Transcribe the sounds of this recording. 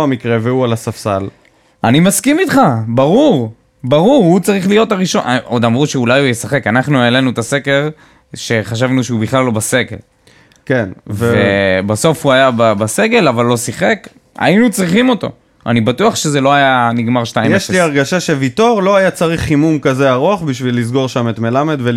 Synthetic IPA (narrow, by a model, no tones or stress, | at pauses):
amikʁe̞veualasafsal | animaskimit̪χabaʁuʁ | baʁuʁhut͡saʁiχlijo̞t̪aʁiʃo̞no̞d̪amʁuʃeulajujesaχe̞kanaχnuele̞nut̪ase̞ke̞ʁ | ʃe̞χaʃ̬avnuʃeubiχlalːo̞base̞ɡe̞̰l | kenvvebaso̞fhuajababase̞ɡe̞lavalːo̞siχe̞k | a̰inut͡sʁiχimo̞t̪o̞̰ | a̰nibatuaχʃe̞zeloajaniɡmaʁʃtaimjeʃliaʁɡaʃaʃevit̪o̞ʁlo̞ajat͡saʁiχːimumkaze̞aʁoaχbiʃvilːiz̬ɡo̞ʁʃamet̪me̞lamed̪ve